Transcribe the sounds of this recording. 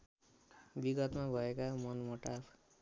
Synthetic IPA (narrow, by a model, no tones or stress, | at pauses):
biɡʌt̪mabʱʌekamʌnmʌʈapʰ